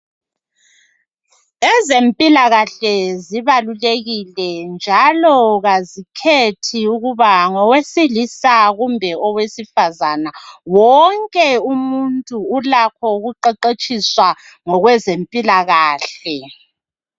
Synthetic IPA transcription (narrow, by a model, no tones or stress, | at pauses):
ɛzempʼilaɣaɬɛziβaluleɣilɛnd͡ʒʱalɔɣazikʰetʰiuɣuβaŋɔwesilisaɣumbʱɛɔwesifazanawɔŋkʼɛumuntʼuːlakʰɔɣuǃɛǃet͡ʃʼiswa | ŋɔɣwɛzempʼilaɣaːɬɛ